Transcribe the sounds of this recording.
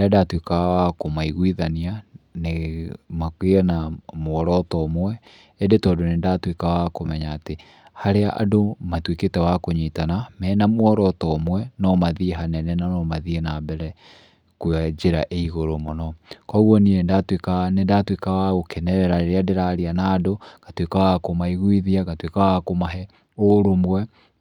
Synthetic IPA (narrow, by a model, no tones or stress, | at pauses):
eadatwekawakomaiɣwiðanianemakweanamoɔɾɔtɔːmwɛ | endetɔːdonendatwekawakomɛɲaːte | haɾeaʔadomatweketɛwakoɲitanamɛːnamoɔɾɔtɔmwɛnɔmaðieɦanɛnɛnanɔmaðienabɛɾɛ | kwad͡ʑeɾa̰ʔeiɣoɾomɔnɔkɔɣɔniendatwekanendatwekawaɣokɛnɛɾɛɾaɾeɾeadeɾaɾianaːdoɡ̥atwekawakomaiɣwiðiaɣatwekawakomaɦɛ | oɾomwɛ